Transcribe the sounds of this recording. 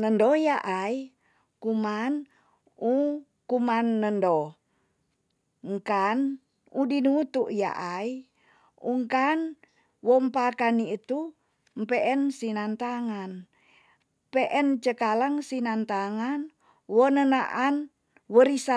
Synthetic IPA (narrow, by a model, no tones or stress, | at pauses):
nəndɔjaʔai | kuman | u | kumanːəndo | ŋkan | udinut̪uʔja̰ʔai | uŋkan | wɔmpakaniːt̪u | mpɛʔɛnsinant̪aŋan | pɛʔɛnt͡ʃəkalaŋsinant̪aŋan | wɔnənaʔan | wəɾisa